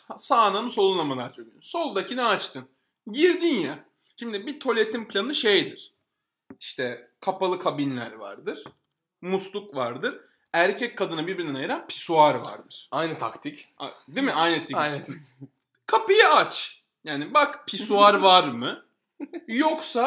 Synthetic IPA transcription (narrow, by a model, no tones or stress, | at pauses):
hsaːnamɯso̞lˠunˠamalˠaɾt͡ʃʰølʲijmso̞lˠd̪acʰinɛat͡ʃt̪ʰɯn | ɟiɾd̪inja | ʃimd̪ibit̪ʰo̞lʲet̪ʰimplʲanɯʃejd̪iɾ̥ | iʃt̪ʰɛkʰapalˠɯkʰabinlʲæ̰ɾva̰ɾd̪ɯɾ̥ | muslˠukvaɾd̪ɯɾ | æɾcʰɛc̚kʰːad̪ɯnabiɾbiɾnɛnajɯɾanpʰi̥suaɾva̰ɾd̪ɯɾ̥ajnɯt̪ʰakt̪ʰica̰d̪imɪʔajnɯt̪ʰiajnt̪ʰa | kʰapɯjaat͡ʃ | jaːnibakpʰisuaɾvaɾmɯ | joksa